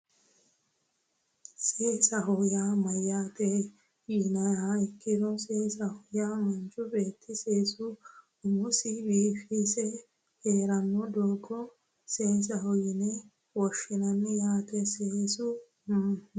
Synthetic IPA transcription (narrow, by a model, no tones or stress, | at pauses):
seːsaɦɔjaːmajat̪ɛ | jinaaikːidɔseːsahɔjamand͡ʒubeːt̪ʰːiseːsu | umusibiːfisɛ | heːɾanːɔd̪ɔːɡɔ | seːs̬ahɔjinɛ | wɔʃinanːijaːt̪ɛseːsu